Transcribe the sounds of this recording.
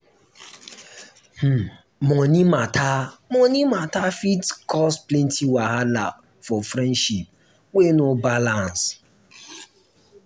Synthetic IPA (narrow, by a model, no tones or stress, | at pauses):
h̩ | mɔnimatʰamɔnimatafitkʰɔsplɛntʰiwaɦala̰p | fɔfɾɛ̃ndʃip̚ | k͡penobalans